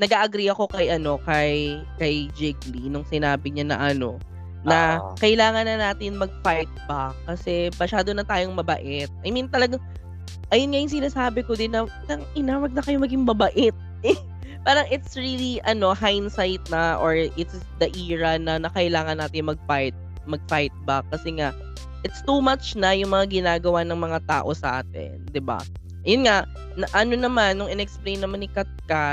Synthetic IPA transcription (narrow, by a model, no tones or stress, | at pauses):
nɐɡaʔɐɡɾiɐko̞kɐjʔɐno̞kɐj | kɐjd͡ʒɪɡlinʊŋsɪnaːbɪɲanɐ̰ʔɐno̞ | nɐkɐʔɪlaːŋɐnːɐnaːt̪ɪnmɐɡ̚fajt̪̚bɐkɐsɛmɐʃaːd̪onɐt̪aːjo̞ŋmɐbɐ̰ʔɪt̪̚ʔɐjmint̪ɐlɐɡaŋ | ʔɐjʊnŋajʊŋs̬ɪnaːsaːbɪkod̪ɪnːɐ | nɐŋʔɪnawɐɡ̚nɐkɐjomɐɡɪŋmɐbɐʔɪt̪̚ | ɛ | paːɾɐŋʔɪt̪sɹiliʔɐno̞hajnsajt̪̚nɐʔoɹʔɪt̪s | d̪ɐʔiːɹɐnɐnɐkɐʔɪlaːŋɐnːaːt̪ɪnmɐɡ̚fajt̪̚ | mɐɡ̚fajt̪̚bɐkːɐsɛŋaʔ | ʔɪt̪st̪umat͡ʃnɐjʊŋmɐŋaɡɪnaːɡɐwanɐŋmɐŋat̪a̰ːʔo̞sɐʔa̰ːt̪ɪ̰nd̪ɪba̰ | ʔɐjonŋa | nɐʔɐno̞nɐmanːʊŋɪnɛɛksplejnːɐmanːɪkɐt̪̚ka